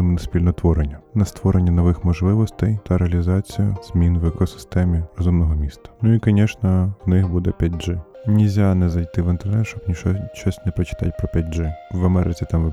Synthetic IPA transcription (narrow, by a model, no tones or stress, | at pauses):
ɪmnɐsʲpʲilʲnɔt̪ʋɔɾenʲːɐnɐst̪ʋɔɾenʲːɐnɔʋɪxmɔʒlˠɪʋɔst̪ɛjt̪ɐɾeɐlʲizɑt͡sʲijʊz̥mʲinʋɛkɔsɪ̥st̪ɛmʲirɔzumnɔɦɔmʲist̪ɐ̥nuikɔnʲɛʃnɐwnɪxbud̪ɛpʲjatʲʒɪnʲɪzʲanɛzɐjt̪ɪʋɪnt̪enɛsʃt͡ʃɔbnʲiʃɔʃɔsʲnɛpɾɔt͡ʃɪ̥t̪ɑ̰tʲpɾɔpʲat̚ʲʒɪʋɐmɛɾɪt͡sʲit̪ɑm